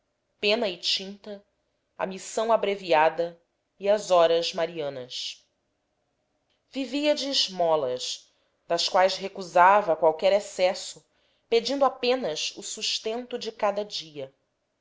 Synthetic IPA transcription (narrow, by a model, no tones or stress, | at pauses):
pẽnɐɪt͡ʃĩnt̪ɐ | ɐ̰misɐ̃w̃abɾeviad̪ɐ | iɐzɔɾɐzmaɾiɐ̃nɐs | viviɐd͡ʒɪːʒmɔlɐʃ | d̪ɐskwajsɦekuzavɐkwawkɛɾesɛsʊ | ped͡ʒĩnd̪ʊapẽnɐʃusuʃt̪ẽnt̪ʊd͡ʒɪkad̪ɐd͡ʒiɐ